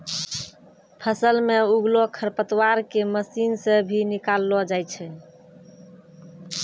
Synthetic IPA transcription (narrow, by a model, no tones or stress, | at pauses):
pʰəsəlmeuɡlokʰəɾpət̪waɾkeməsinsẽbʱinikalːɔd͡ʒajt͡ʃʰɛ